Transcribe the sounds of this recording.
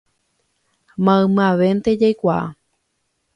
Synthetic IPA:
mãɨ̃mɨ̃ãʋent̪e̞d͡ʒajkʷaʔa̰

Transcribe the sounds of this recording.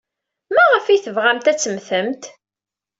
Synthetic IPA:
mæʁəfiθəvʁæmt̪æt͡sːəmθəmt̪

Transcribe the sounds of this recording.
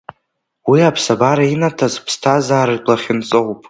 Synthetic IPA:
wiapʰsabaɾainatʰazpʰstʰazaːɾɨdʷʼlaχʲɪnt͡sʼowpʼ

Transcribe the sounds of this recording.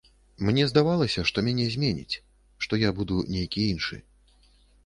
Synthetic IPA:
mnʲɛzd̪avalˠɐsʲɐʂt̪ɔmʲanʲɛzʲmʲenʲḭt͡sʲ | ʂt̪ɔjabud̪unʲejkʲiinʂɨ̰

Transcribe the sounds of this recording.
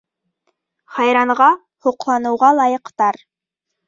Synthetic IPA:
χɑjɾɑɴʁɑ | huqlˠɑnɤ̆wʁɑlˠɑjɤ̆qt̪ɑɾ

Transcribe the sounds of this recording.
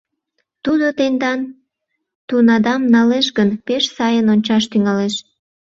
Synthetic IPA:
t̪ud̪ot̪end̪ɑn | t̪unɑd̪ɑmnɑleʃɡənpeʃsɑjənonʲt͡ɕɑʃt̪yŋɑleʃ

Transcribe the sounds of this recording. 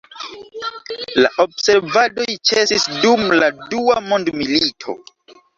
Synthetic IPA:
laʔo̞bse̞ɾvado̞jt͡ʃe̞sisdumladuamondmilitʰo̞̰

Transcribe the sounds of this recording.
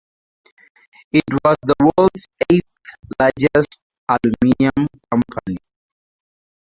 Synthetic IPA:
itwɔzðəwɜldseθlad͡ʒɛst | aluminiãmkʰʌ̃mpʰani

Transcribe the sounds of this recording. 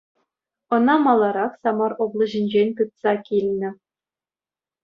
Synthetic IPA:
ɤ̆nɑmɑlˠːɑɾɑχsɑmɑroblˠɤ̆ʑɘ̆nʲd͡ʑenʲk̪ɯt̪sɑkʲilʲnʲɘ̆

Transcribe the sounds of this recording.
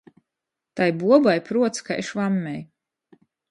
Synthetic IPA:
t̪ajbuɔbajpɾuɔt̪skaeʃvamːɛj

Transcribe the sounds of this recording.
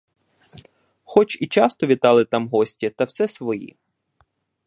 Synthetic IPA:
xɔt͡ʃit͡ʃɑst̪ɔʋʲit̪ɑlˠɪt̪ɑmɦɔsʲtʲit̪ɐwsɛsʋɔjḭ

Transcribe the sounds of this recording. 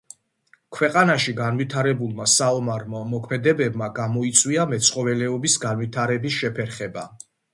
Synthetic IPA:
kʰwɛqʼanaʃiɡanvit̪ʰaɾɛbulˠmasaɔmaɾmamɔkʰmɛd̪ɛbɛbmaɡamɔit̪sʼwiamɛt̪sʰχɔvɛlɛɔbisɡanwit̪ʰaɾɛbisʃɛpʰɛɾχɛba

